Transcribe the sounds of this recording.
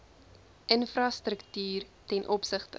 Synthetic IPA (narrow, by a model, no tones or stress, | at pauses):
ʔənfrɑstrəktyːrtɛnʔɔpsəχtə